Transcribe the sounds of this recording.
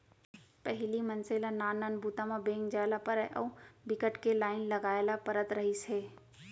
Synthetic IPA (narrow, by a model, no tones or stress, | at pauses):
pəɦɪlimɐnselanaːnənbʱuːt̪amãbeːŋɡd͡ʒaːlapəɾəʔɔ̰ːbɪkəʈkelaːɪnlɐɡaːjlapɐɾət̪ɾɐɦiseː